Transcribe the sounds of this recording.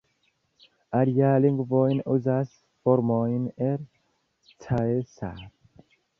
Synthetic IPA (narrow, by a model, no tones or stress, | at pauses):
aɾjaːliŋɡvɔːinuzas | foɾmɔːineɾ | t͡sʰaesa̰ɾ